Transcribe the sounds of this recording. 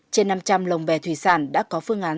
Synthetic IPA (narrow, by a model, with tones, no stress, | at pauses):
t͡ɕe˧nːa˧mt͡ɕa˧mlə˨˩wŋ͡mvɛ˧˩t̪ʰwi˧˩saː˧˩nɗa̰ː˧˥kɔ˨˦fɨ˧əŋʔaː˨˦